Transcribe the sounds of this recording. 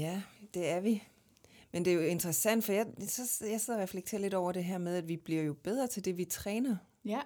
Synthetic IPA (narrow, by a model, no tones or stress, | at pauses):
jæd̥e̝æɐʋi | mend̥e̝jo̝e̝nd̥ʁɐsæn̰d̥fɒ̽jɑsɒ̽sjaɪse̝ð̰ˠɐʁɛfleɡ̥̚t͡sʰe̝ːɐle̝ɾɒʊ̰ɐɾ̥e̝ɦæɐ̰með̞ˠædʋib̥liɐ̰jo̝b̥eð̞ˠʁɐt͡sʰe̝ld̥e̝ʋit͡sʰʁɛːnɐ